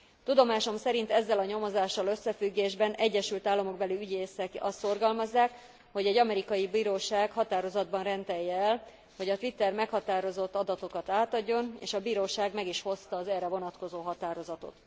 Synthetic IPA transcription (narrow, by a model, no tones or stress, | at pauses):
t̪ud̪o̞maːʃo̞msɛɾint̪ɛzːɛlɒɲo̞mo̞zaːʃːɒlø̞sːɛfyɡːeːʒbɛnɛɟːɛʃylt̪aːlːɒmo̞ɡ̚bɛliyɟeːsɛkɒst̪so̞rɡɒlmɒzːaːk | ho̞ɟɛɟːɒmɛɾikɒjibiːɾoːʃaːkhɒt̪aːɾo̞zɒd̪̚bɒnrɛnt̪ɛjːɛɛl | ho̞ɟɒt̪ʋit̪ːɛrmɛkhɒt̪aːɾo̞zo̞t̪ːɒd̪ɒt̪o̞kɒt̪aːt̪ɒɟːo̞nḛːʃɒbiːɾoːʃaːɡmɛɡiʃho̞st̪ɒːzɛrɛvo̞nɒt̪ko̞zoːɦɒt̪aːɾo̞zɒt̪o̞̰t̪